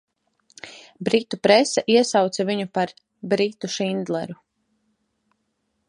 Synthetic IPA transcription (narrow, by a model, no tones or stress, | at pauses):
bɾit̪upɾɛsɛʔiɛsawt̪saviɲupaɾ | bɾit̪uʃind̪lˠɛ̰ɾu